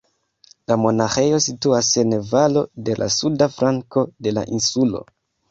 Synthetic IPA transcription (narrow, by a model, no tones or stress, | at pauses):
lamo̞naxe̞jo̞situase̞nvalo̞de̞lʔa̰sudafɾaŋko̞de̞la̰ʔinsulo̞̰